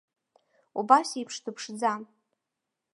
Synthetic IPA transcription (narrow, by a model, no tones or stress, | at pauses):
ubasipʰʂtʰɨpʰʂd͡za